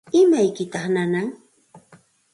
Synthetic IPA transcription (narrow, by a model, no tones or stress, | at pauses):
ɪmajkɪt̪ɑχnanaŋ